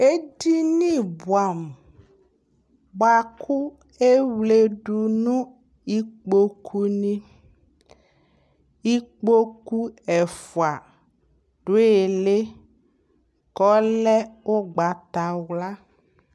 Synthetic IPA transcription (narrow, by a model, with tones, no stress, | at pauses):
e˦di˦nĩ˦bu˨a˨m˨ | ba˨ku˦ | e˦wle˨ɖu˨nũ˦ | i˦k͡po˦kʰu˦nĩ˦ | i˦k͡po˦ku˦ɛ˨fu˨a˨ | ɖ̥o˨˦e˨le˦ | kɔ˨˦lɛ˦wo˦ɡ͡ba˨t̪a˨wla˦